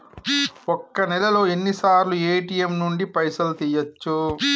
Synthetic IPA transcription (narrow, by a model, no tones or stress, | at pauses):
ɔkːɐnɛlɐlo̞ːenːisaːɾlueːʈijemnuɳɖipɐjsɐlt̪iːjɐt͡ʃːu